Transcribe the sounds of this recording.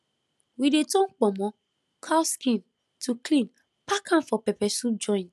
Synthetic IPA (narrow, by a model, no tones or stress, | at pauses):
widetɔ̃ŋk͡pɔmɔ̃ | kʰawskĩn | tʰuklĩn | pakʰãnfɔpɛpɛsud͡ʒɔ̃ɪ̃n